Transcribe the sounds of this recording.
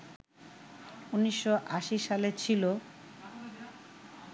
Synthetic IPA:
unːiʃːoʔaʃiʃalet͡ɕʰilo

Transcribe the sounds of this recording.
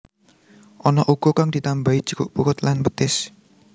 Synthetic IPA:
ʔɔnɔʔuɡ̥okaŋd̪̥i̤t̪ambaid͡ʒə̥kʊʔ̚bukʊt̪lanbət̪ɪs

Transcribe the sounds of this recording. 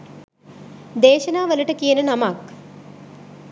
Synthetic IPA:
d̪eːʃɐnaːʋəlɐʈəkijənənamak

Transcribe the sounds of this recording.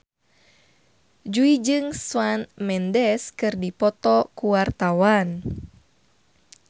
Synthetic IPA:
d͡ʒuid͡ʒɨŋswanmɛndɛskɨrdipɔt̪ɔkuwart̪awan

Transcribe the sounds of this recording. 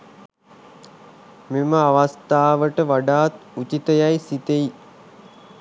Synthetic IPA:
miməaʋast̪aːʋəʈəʋaɖaːt̪ut͡ʃit̪əjajsit̪ei

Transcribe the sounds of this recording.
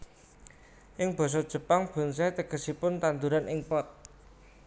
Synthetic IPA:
ʔɪŋb̥ɔ̤s̬ɔd̥ʒ̥ə̤paŋb̥ṳnsat̪əɡ̥ə̤sipʊnt̪and̪uɾanʔɪŋpɔt̪̚

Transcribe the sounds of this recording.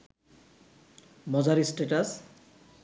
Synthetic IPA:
mɔd͡zaɾisʈeʈas

